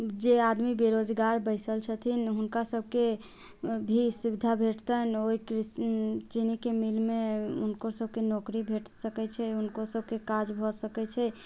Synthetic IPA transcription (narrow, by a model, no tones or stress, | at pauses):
d͡ʒead̪mibeɾod͡ʒɡaɾbəɪsəlt͡ʃʰət̪ʰinɦunkasəb̚ʱke | bʱisubid̪ʱabʱeʈt̪ənoikɾit͡ʃinikemilmeunkosəb̚ʱkenokɾibʱeʈsəkɛt͡ʃʰɛunkosəb̚ʱkekad͡ʒbʱɔsəkɛt͡ʃʰɛ